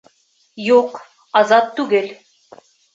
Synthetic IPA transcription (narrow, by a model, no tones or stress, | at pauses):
juq | ɑzɑt̪ːʉɡɘl